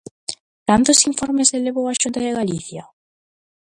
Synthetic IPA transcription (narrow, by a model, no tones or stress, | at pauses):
t̪ant̪osiɱfoɾmeseleβowaʃunt̪aðeɣaliθja